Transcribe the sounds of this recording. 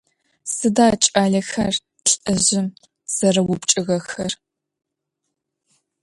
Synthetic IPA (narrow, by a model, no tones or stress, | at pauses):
sɨdaːt͡ʃʼaːɮɐxɐr | ɬʼɨʑɪm | z̥ɐrɐwʊpt͡ʃʼɨɣɐxɐr